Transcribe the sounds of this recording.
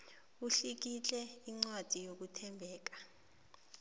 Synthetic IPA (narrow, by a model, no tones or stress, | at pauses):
uɬik̬it͡ɬʼɛiŋ͡ǀwad̥ʱijok̬utʰɛmbʱɛːk̬ḁ